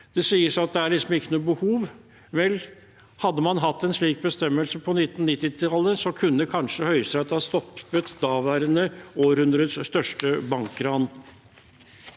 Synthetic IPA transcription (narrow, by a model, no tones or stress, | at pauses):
d̪̥ɛsiːəsɑt̪̚d̪ɛæɭɪsɔmɪkːənuːbəhuːʋ | ʋɛl | hɑd̪ːəmɑnɦɑt̪ːɛnsɭiːk̚bəst̪ɛmːəlsəpʰɔnɪt̪ːn̩nːɪt̪ːɪt̪ʰɑlːəsɔkʰʉnːəkʰɑnʂəhœʏst̪ɾɑt̪ːɑst̪ɔpːət̪d̪ɑːʋæːɾənəoːɾhʉnd̪ɾəd̪sst̪œʂʈəbɑŋkɾɑn